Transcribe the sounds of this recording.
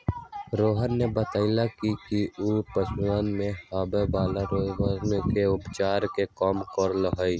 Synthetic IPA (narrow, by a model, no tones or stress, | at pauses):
ɾoːɦənːebət̪aːɪlakikiuːpəswaːnmẽhaːbebaːlaɾoːzwazmekeʊbt͡ʃaːɾkekɔːmkɔɾləɦəiː